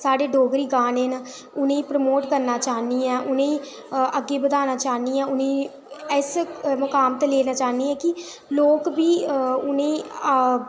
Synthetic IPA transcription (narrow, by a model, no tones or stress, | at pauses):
saːɖeːɖʱoːɡɾiːɡaːneːn | ʊnẽːiːpɾəmoːʈkəɾnaːt͡ʃaːniːɛ̃ːʔʊnẽːĩː | əɡːeːbəd̪aːnaːt͡ʃaːniːɛ̃ːʊnẽː | ɛsməkaːmt̪eːleːnaːt͡ʃaːniːɛ̃ːkɪ | loːkbiːʊnẽ